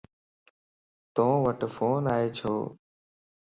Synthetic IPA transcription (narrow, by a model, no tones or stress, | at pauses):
t̪õːʋəʈfoːnaːɦeːt͡ʃʰoː